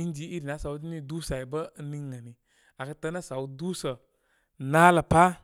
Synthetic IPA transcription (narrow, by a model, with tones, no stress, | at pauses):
i˦n˦d͡ʒi˨˦i˦ɾi˨na˨˦sa˨wdi˦ni˦du˦sa˨i˨bə˦ni˧ŋː˦a˨ni˨ | a˨kə˧˦tə˧˦na˦sa˨wu˦du˦sə˨ | naː˦lə˨pa˦